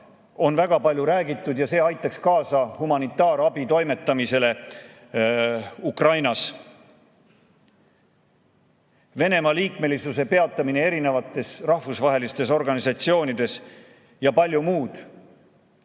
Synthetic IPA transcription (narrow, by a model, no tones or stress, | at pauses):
o̞nvæɡ̥ɑpɑlʲjuɾæːɡit̪ːˑud̪jɑse̞ːɑjt̪ːˑɑkskɑːsɑhumɑnit̪ˑːɑːɾɑbit̪o̞jme̞t̪ːˑɑmise̞le̞ | ukrɑjnɑs | ve̞ne̞mɑliːkme̞lisuse̞pe̞ɑt̪ːˑɑminee̞ɾine̞vɑt̪ːˑe̞srɑhvusvɑɦe̞list̪e̞so̞rɡɑnisɑt̪sio̞ːnid̪e̞s | jɑpɑlʲjumuːd̪̥